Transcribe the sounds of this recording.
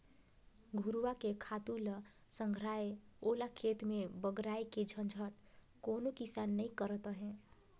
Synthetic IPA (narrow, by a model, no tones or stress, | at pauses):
ɡʱuɾuwakekʰat̪ulə | səŋɡʱɾaeolakʰet̪mebəɡɾaeked͡ʒʱənd͡ʒʱəʈ | konokisanːəikəɾət̪əɦẽ